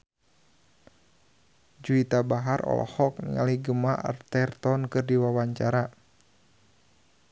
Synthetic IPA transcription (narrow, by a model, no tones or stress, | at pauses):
d͡ʒuit̪abaɦarɔ̰lɔ̰hɔk̚nḭŋa̰liɡəmaə̰rt̪ɛrt̪ɔnkɨrdiwawaɲt͡ʃaɾa